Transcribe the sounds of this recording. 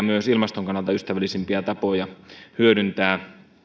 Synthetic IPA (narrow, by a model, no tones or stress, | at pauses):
myøsilmɑst̪oŋkɑnːɑlt̪ɑyst̪æʋælːˑisimpiæt̪ɑpo̞jɑhyødynt̪æː